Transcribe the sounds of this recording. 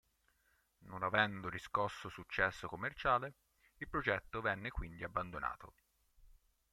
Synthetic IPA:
nonavɛnd̪oɾiskɔsːosut͡ʃːɛsːokomːert͡ʃaːle | ilpɾod͡ʒɛt̪ːovɛnːekwind̪iabːand̪ona̰ːt̪o̰

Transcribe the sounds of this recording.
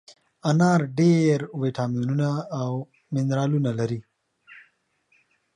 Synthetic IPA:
anɑɾɖeɾwiʈɑmijununaːw | mɪnɾɑlunalaɾi

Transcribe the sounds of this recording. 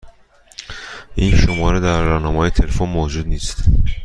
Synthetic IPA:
ʔiːnʃomɒːɾed̪æɾːɒnɒːmeɒːjet̪ʰelefonmoːd͡ʒuːd̪niːst̪

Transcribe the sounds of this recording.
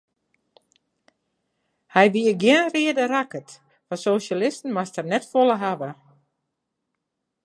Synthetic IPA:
hɛjʋiəɡjɪənriədərakət | fasoːsalɪstn̩mastərnɛtfoləɦaʋə

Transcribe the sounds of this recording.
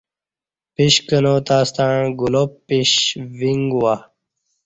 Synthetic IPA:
piɕkənoːt̪aːst̪aɻ̃ɡulopːiɕwiŋɡwa

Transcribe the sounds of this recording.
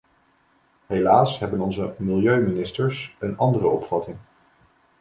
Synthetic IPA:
ɦelaːsɦɛbənɔnzəmɪlˠjøɥminɪstəɹsənɑndərəɔpfɑtɪŋ

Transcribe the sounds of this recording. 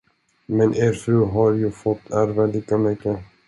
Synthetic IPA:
mɛnʔeːɾfɾʉːɦaɾjɵfɔt̪ːæɾvaliːkamʏkːə

